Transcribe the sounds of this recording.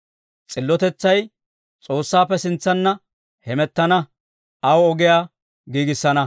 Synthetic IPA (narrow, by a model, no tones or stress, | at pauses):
t͡sʼɪlːɔt̪ɛt͡sːɐj | t͡sʼo̞ːsːaːpːɛsɪnt͡sːɐnːɐ | hɛmɛt̪ːɐnɐ | ɐwɔɡɪjaː | ɡiːɡɪsːɐnɐ